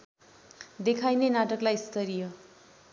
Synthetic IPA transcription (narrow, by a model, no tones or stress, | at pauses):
d̪ekʰajnenaʈʌklajst̪ʌɾijʌ